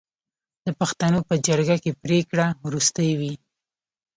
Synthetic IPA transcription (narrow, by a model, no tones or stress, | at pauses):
d̪̥əpaxt̪anopəd͡ʒaɾɡakepɾekɽawɾust̪əjwi